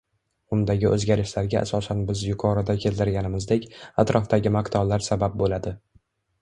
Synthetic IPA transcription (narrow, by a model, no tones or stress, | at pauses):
ʊnd̪aɡʲɪʔɵ̰zɡʲaɾɪʃlaɾɡʲaʔa̰sɒsanbɪzjʊqʰɒɾɪd̪akʲʰe̞lt̪ʰɪɾɡʲanɪmɪzd̪ekʲat̪ɾɒft̪aɡʲɪmakt̪ʰablaɾsabap̚bolad̪ɪ